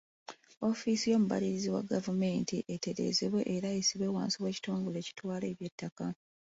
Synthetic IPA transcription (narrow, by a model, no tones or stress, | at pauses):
o̞fiːsijo̞ːmuβa̰liɾiziwa̰ɡavume̞ːntiʔete̞ɾe̞̰ːzeβwe̞ʔeɾaesiβwe̞ːwa̰ːnsiwe̞ːci̥tuːŋɡule̞ːci̥twaːle̞ːβje̞tːaka